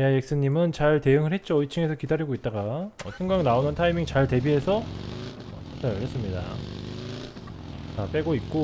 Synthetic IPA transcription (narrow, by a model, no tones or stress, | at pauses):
jajek̚s͈ɯɲːimɯnt͡ɕaɭte̞ɯŋɯɭhe̞t̚t͡ɕ͈oʌit͡ɕʰɯŋe̞sʰʌkidaɾiɡoit̚t͈aɡaʌɕʰjuŋɡaŋnaonɯntʰaimiŋt͡ɕaɭte̞biɦe̞sʰʌ | ʌtʰatʰaɾɯɭhɦe̞s͈ɯmɲida̰ | ap͈e̞ɡoit̚k͈o